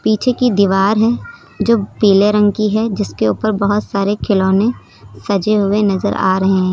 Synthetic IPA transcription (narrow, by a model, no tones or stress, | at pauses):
piːt͡ʃʰekid̪iʋaːɾɦɛ | d͡ʒoːpiːleɾə̃ŋkiɦɛd͡ʒɪskeuːpəɾbɐɦʊt̪saːɾekʰɪloːnẽ | sɐd͡ʒeɦʊenɐzə̰ɾa̰ːɾɐɦẽɛ̃